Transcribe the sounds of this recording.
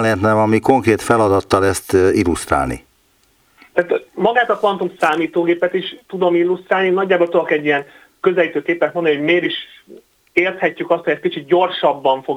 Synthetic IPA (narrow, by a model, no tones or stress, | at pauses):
lɛɛt̪nɛmɒmiko̞ŋkreːt̪fɛlɒd̪ɒt̪ːɒlɛst̪ilːust̪ra̰ːlnḭ | t̪aːt̪mɒɡaːt̪ɒpɒnt̪umsaːmiːt̪oːɡeːpɛt̪iʃt̪ud̪o̞milːust̪raːlinɒɟːaːbolt̪ud̪okɛɟːijɛŋ | kø̞zɛliːt̪øːkeːpːɛt̪mond̪ɒniɦoɟmeːɾiʃ | eːrt̪hɛcːykɒst̪hojɛst̪kit͡ʃit̪̚ɟo̞rʃɒbːɒɱfo̞